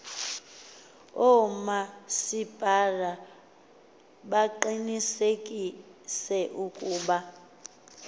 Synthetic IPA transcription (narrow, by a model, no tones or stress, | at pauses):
ɔmasib̥ʱara | ɓaǃinisekʼisɛʔukʼuːɓa